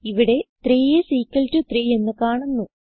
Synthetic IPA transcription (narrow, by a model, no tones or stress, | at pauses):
iʋiɽe̞t̪riːjesiːkʲːɐltɨt̪riːe̞nːɨkaːɳunːu